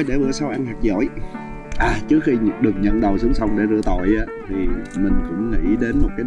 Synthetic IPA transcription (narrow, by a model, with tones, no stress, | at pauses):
jɗe˧˩vɨ̰˧˩əsa˧wʔa˧ŋhaː˨˩k̚zo̰˧˩j | ʔaː˨˩t͡ɕɨ˦˥ək̚xi˧ɗɨ˨˩əŋ̚ɲə̰˧˨nɗə˨˩ws̬ɨ˨˦əŋ͡msa˧wŋ͡mɗe˧˩zɨ̰˧˨ət̪o̰˧˨jʔaː˨˦t̪ʰi˨˩mï˨˩ŋ̟kʊ̰˧˥ŋ͡mŋḭ˧˦ɗe˨˦nmo˨˩t̚kaː˨˦